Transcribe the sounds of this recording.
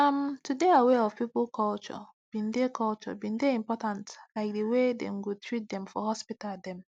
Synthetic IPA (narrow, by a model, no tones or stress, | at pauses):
amtudeaweɔv̥piplkʰɔlt͡ʃɔ̰ | b̥ĩndekʰɔlt͡ʃɔ̰bĩndeĩmpɔtãntlaɪk̚dewedɛ̰̃mɡotʰɹit̚dɛ̃mfɔɦɔspitaldɛ̃m